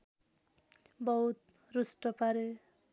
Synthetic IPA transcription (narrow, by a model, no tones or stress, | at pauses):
bʌɦut̪̚ | rusʈʌpaɾe